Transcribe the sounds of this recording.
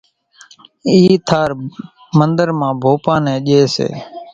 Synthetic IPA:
iːt̪ʰaːɾ | mənd̪əɾmãːbʱoːpãːnɛ̃ːɗeːsḛː

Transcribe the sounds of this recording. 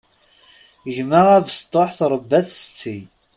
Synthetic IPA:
əʒməʁævst̪ˤːoħθɾˤəbːæθsə̥t͡sːij

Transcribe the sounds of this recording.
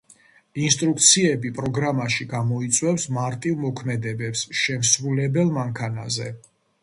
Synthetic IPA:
inst̪ʼɾukʰt̪sʰiɛbipʼɾɔɡɾamaʃiɡamɔit̪sʼwɛfsmaɾt̪ʼivmɔkʰmɛd̪ɛbɛpsʃɛmsɾulɛbɛlˠmaŋkʰana̰zɛ̰

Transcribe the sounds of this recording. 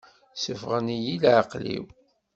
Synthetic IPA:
səfʁənijilʕɑqlḭw

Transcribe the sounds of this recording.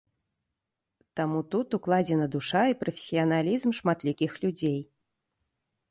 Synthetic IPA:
t̪amut̪ut̪uklˠad͡zʲɛnɐd̪uʂaipɾɐfʲe̥sʲiɐnalʲizmʂmat̪lʲikʲixlʲud͡zʲej

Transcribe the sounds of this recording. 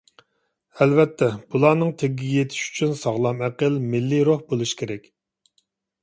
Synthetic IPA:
ɛlvɛt̪ʰːɛb̥ulˠɑːnɨŋt̪ʰeɡʲiɡʲijet̪ʰɪ̥ʃy̥t͡ʃʰynsɑʁlˠɑmæqəlmɪlːiɾohbolˠuʃi̥kʲʰeɾɛkʲ

